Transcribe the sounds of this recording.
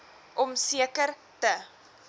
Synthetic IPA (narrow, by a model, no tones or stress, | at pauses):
ʔɔmsiəkər | tə